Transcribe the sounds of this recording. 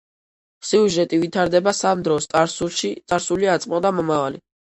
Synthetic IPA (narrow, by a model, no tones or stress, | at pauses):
siuʒɛt̪ʼivit̪ʰaɾd̪ɛbasamd̪ɾɔst̪ʼaɾsulˠʃit̪sʼaɾsuliat̪sʼmɔd̪amɔmavali